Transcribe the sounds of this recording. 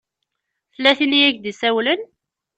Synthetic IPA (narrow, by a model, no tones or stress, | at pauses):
θəlːæθinijækd̪isæwlən